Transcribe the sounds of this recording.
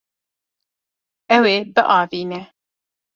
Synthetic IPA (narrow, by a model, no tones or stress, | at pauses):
ʔɛweːbɨʔɑːviːnɛ